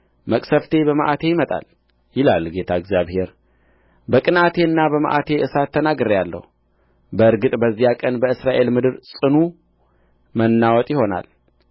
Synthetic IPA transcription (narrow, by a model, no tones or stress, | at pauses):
məkʼsəft̪ʰe̞bəmaʔat̪ʰe̞jɪmət̪ʼa̰l | jɪlalɡe̞t̪ʰaɨɡzjaβhe̞ɾ | bəkʼɨnat̪ʰe̞ɨnːabəmə̰ʔa̰t̪ʰe̞ʔɨsat̪ʰːənaɡɨɾjalːə̰hu | bəɨɾɡɨt̪ʼbəzːijakʼənbəɨsɾaʔe̞lmɨd̪ɨɾsʼɨnu | mənːawɔt̪ʼjɪho̞na̰l